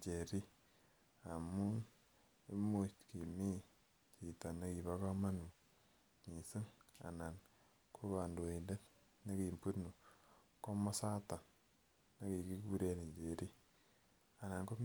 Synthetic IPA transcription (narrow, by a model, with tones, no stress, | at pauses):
t͡ʃe˨ɾi˦ | a˨mu˦n | e˦mu˦t͡ʃki˨mi˦ | t͡ʃi˨ta˨na˦ki˨βa˦ka˦ma˦nu˨ | ɲi˨si˦ŋa̰˨na˨n | kʰo˦βa˨ndo˨i˨nde˦t | na˦ki˨mpu˦nu˨ | ko˦mɔ˦sa˦ta˨ | na˦ki˨ki˦ku˦ɾe˦ni˨t͡ʃe˨ɾi˦ | a˨na˨nko˦m